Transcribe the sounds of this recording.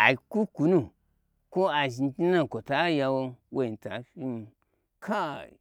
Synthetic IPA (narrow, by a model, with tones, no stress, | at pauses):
a˨i˨ku˦ku˨˦nu˦˨ | ko˦a˨ʒi˧n˦ti˦na˦˨ko˨ta˨˦ja˧wo˧wo˦˨i˨ta̰˨fi˦n˨ | kʰa˦˨